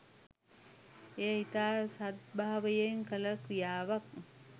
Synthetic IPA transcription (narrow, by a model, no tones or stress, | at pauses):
ejɦit̪aːsat̪̚baɦaʋəjeŋkələkɾijaːʋak̚